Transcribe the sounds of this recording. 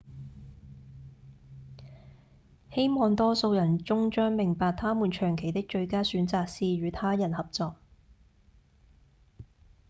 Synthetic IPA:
he˥jmɔː˨ŋt̪ɔː˥so˧wjɐ˨˩nt͡sʊ˥ŋt͡ʃœː˥ŋmɪ˨˩ŋpaː˨k̚t̪ʰaː˥muː˨˩nt͡ʃʰœː˨˩ŋkʰe˨˩jt̪ɪ˥k̚t͡ʃɵ˧ɥkaː˥syː˨˥nt͡saː˨˧k̚siː˨˧jɥyː˨˧t̪ʰaː˥jɐ˨˩nhɐ˨p̚t͡sɔː˧k̚

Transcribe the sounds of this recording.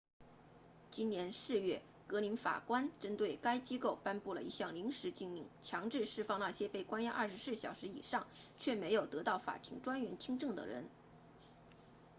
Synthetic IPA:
t͡ɕi˥njɛ˧˥nʂɹ̩˥˧ɥɛ˥˩ | kɤ˧˥li˧˥nfa̰˨˩kwa˥nʈ͡ʂə˥nt̪we˥˩ɪka˥ɪt͡ɕi˥ko˥˩ʊpa˥npu˥˩lə˩i˧˥ɕjɑ˥˩ŋli˧˥ŋʂɻ̩˧˥t͡ɕi˥˧ŋmi˥˩ŋt͡ɕʰjɑ˧˥ŋʈ͡ʂɻ̩˥˧ʂɻ̩˥˧fɑ˥˧ŋna˥˩ɕjɛ˥pe˥˩ɪkwa˥njʔɐ̰˥˩ʂɻ̩˧˥sɹ̩˥˩ɕjɑ˨˩ʊʂɻ̩˧˥ḭ˨˩ʂɑ˥˩ŋt͡ɕʰɥɛ˥˩me˧˥ɪjo˨˩ʊt̪ɤ˧˥t̪ɑ˥˩ʊfa̰˨˩t̪ʰḭ˧˥ŋʈ͡ʂwa˥nɥɛ˧˥nt͡ɕʰi˥ŋʈ͡ʂɤ˥˩ŋd̪ə̰˩ɻə̰˧˥n

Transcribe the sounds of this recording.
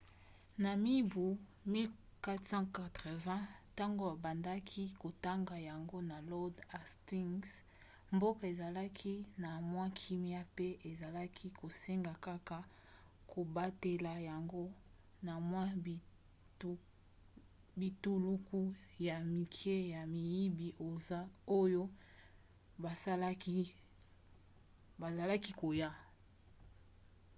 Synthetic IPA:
na˨mi˦bu˨mi˦lka˦tsɑ̃˦ka˨tʁɛ˨vɛ̃˦ta˦ŋɡo˨a˨ba˨nda˦kʰi˦ko˨ta˦ŋɡa˨ja˨ŋɡo˦na˨lɔ˦da˨sti˦ŋs | mbo˦ka˨e˨za˨la˦kʰi˦na˨mwã˦kʰi˦mi˦a˦pe˦ʔe˨za˨la˦kʰi˦ko˨se˦ŋɡa˨ka˦ka˨ | kʰo˨ba˦te˨la˨ja˨ŋɡo˦ | na˨mwa˦˨˦ | bi˨tu˦lu˦ku˦ja˨mi˨kʰe˦ja˨mi˨ji˦bi˨ʔo˨za˦o˦jo˦ | ba˨sa˦la˦ki˦ | ba˨za˨la˦ki˦ko˨ja˦

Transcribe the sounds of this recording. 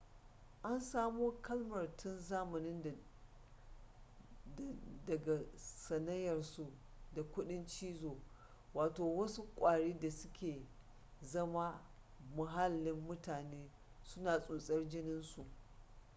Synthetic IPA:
ʔa˦nsaː˦moː˦kɐ˦lmɐ˨rtʰʊ˦nzaː˦mʊ˨nɪ˦n˨ | dɐ˨ɡa˨sɐ˨nɐ˦jɐ˨rsu˨ | da˨kʷʊ˦ɗɪ˦nt͡ʃiː˦zoː˨ | waː˨toː˨wɐ˦su˦kʷʼaː˨ɽiː˦da˨sʊ˦kʲeː˨ | zɐ˦ma˦ | mʊ˨ɦa˦lːɪ˦mːʊ˦taː˨neː˦ | sʊ˦naː˨sʼuː˨sʼɐ˦rd͡ʒɪ˦nɪ˦nsu˨ʔ

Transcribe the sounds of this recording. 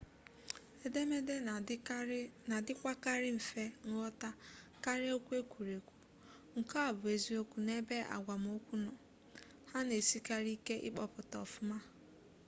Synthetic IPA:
e˦de˦me˦de˦ | na˨dɪ˦kʷa˦ka˦ɾɪ˦ɱ̩˨fe˦ŋ̩˦ɔ˦ta˦ka˦ɾe˦o˦kʷe˦kʷu˨ɾe˨kʷu̥˨ | ŋ̩˨ka˦a˨bʊ˨e˦˨zi˦o˦kʷu˨ne˦be˦a̰˨ɡʷa˨m˨o˦kʷu˦nɔ˨ | ha˦ne˨si˦ka˦ɾi˦ke˦ʔɪ̰˦k͡pɔ˨pʊ˨tɔ̰˨fʊ˦ma˦

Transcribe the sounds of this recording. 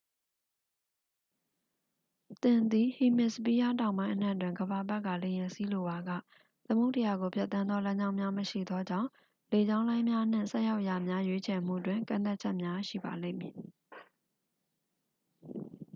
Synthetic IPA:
t̪ɪ̃˨nd̪i˨hi˨mɪ˦˨spi˦ja˦tã˨ʊ̃mbã˦ɪ̃ʔən̥ã̰˦˨t̬wɪ̃˨ŋɡəba˨bɛ˦ʔkːa̰˦˨le˨jɪ̃˨nsi˦lo˨ba˨ɡä̰˦˨ | t̪əmo˦ʊ̃ntə˨ja˨ɡo˨pʰja˦ʔt̪ːã˦nd̪ðɔ˦lã˦ɲd͡ʑã˦ʊ̃mjã˦məʃḭ˦˨d̪ɔ˦d͡ʑã̰˦˨ʊ̃ | le˨d͡ʑã˦ʊ̃lã˦ɪ̃mja˦ʔn̥ɪ̰̃˦˨sɛ˦ja˦ʊʔja˨mja˦jwe˦t͡ɕʰɛ˨m̥ṵ˦˨twɪ̃˨ŋkã̰˦˨t̪̬a˦ʔ̚t͡ɕʰɛ˦ʔmja˦ʃḭ˦˨ba˨lḛ̃˦˨mji˨

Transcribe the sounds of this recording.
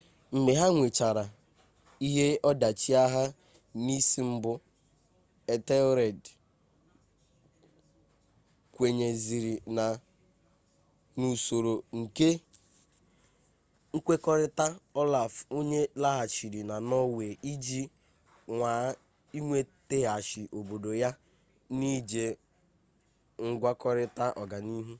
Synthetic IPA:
m̩˨me˨ɦa˦ŋʷe˨t͡ʃa˨ɾa˨ | i˦ɦe˦ɔ˦da˨t͡ʃi˦a˦ɦa˦ | ni˦si˦m̩˦bʊ˦ | e˨te˦ɾe˨d | kʷe˨ɲe˨zi˨ɾi˨na˨ | nu˨so˨ɾo˨ŋ̩˨ke˦ | ŋ̩˦kʷe˦kɔ˦ɾɪ˦ta˦ɔ˦la˨fo˦ɲe˦la˦ɦa˨t͡ʃi˨ɾi˨na˨nɔ˦we˨i˦d͡ʒi˦ | ŋʷa˨ | i˦ŋʷe˦te˦a˨ʃi˨ʔo˨bo˨do˨ja˦ | ni˦d͡ʒe˨ | ŋ̩˦ɡʷa˦kɔ˦ɾɪ˦ta˦ʔɔ˨ɡa˨ni˦ɦu˦

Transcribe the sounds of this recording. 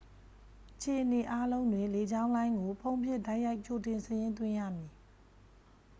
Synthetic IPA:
ʔət͡ɕʰe˨ʔəne˨ʔa˦lõ˦ʊ̃ndwɪ̃˨le˨d͡ʑã˦ʊ̃nlã˦ɪ̃ŋɡo˨pʰõ˦ʊ̃mpʰjɪ˦˨da˦ɪja˦ɪʔt͡ɕo˨tɪ̃˨nsəjɪ̃˦nt̪̬wɪ̃˦˨ja̰˦˨mji˨

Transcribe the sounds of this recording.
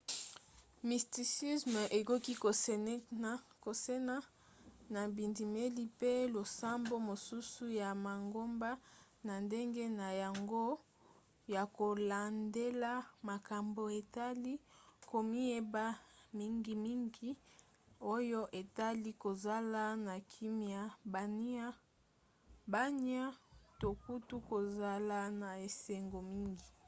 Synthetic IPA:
mi˨sti˨si˦sm˨ʔe˨ko˦ki˦ko˨˦ko˨se˦na˦ | na˨bi˨ndi˨me˦li˦pe˦lo˨sa˦mbo˦mo˨su˦su˦ja˨ma˨ŋɡo˦mba˦ | na˨nde˦ŋɡe˦na˨ja˨ŋɡo˦ | ja˨ko˨la˨nde˦la˦ma˨ka˨mbo˨e˨ta˦li˦ko˨mi˦e˦ba˦mi˦ŋɡi˨mi˦ŋɡi˦ | o˦jo˦ʔe˨ta˦li˦ko˨za˦la˦na˨kʰi˦mja˨ba˨ni˦a˦ | ba˦n˦a˦to˨ku˦tu˦ko˨za˦la˦na˨e˨se˨ŋɡo˨mi˦ŋɡi˨

